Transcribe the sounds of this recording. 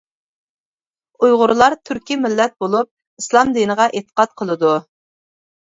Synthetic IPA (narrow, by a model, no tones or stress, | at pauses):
ujʁʊɾlˠɑɾt̪ʰyɾkʲimɪlːɛt̪̚bolˠup̚ | islˠɑmd̪inəʁɑʔet̪ʰə̥qɑt̪̚qʰəlˠɨd̪u